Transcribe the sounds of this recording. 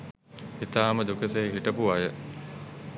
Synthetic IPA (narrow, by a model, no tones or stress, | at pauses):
it̪aːməd̪ukəseɦiʈəpuajə